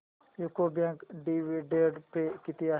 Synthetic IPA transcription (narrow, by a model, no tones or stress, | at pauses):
jukobãŋkɖiʋiɖeɖpekit̪ia